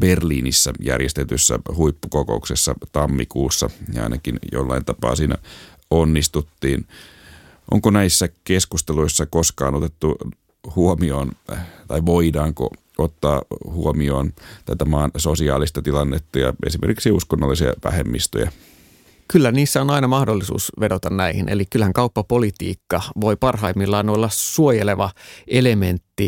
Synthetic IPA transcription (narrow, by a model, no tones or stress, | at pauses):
b̥erliːnisːɑjæ̰rjest̪et̪ysːæ̰huipːukoko̰uksesːɑt̪ɑmːikuːsːɑjɑɑ̰inɑkinjo̰lːɑint̪ɑpɑ̰ːsiːnæ̰ | onːist̪ut̪ːiːn | ʔo̰ŋkonæisːækeskust̪eloisːɑkoskɑːnot̪et̪ːu | huomioːnt̪ɑiʋoidɑːŋko̰ | ot̪ːɑ̰ːhuomioːnt̪æt̪æmɑːnsosiɑ̰ːlist̪ɑt̪ilɑnːet̪ːɑjɑ̰ḛsimerkiksiuskonːolːisiɑ̰ʋæ̰hemːist̪o̰jɑ̰ | kylːæniːsːæonɑinɑmɑhdolːisṵːsʋedot̪ɑnnæihḭnʔḛlikkylhæŋkɑupːɑpolit̪ḭːkːɑʋoipɑrɦɑimːilːɑːnolːɑsuojeleʋɑelement̪ːi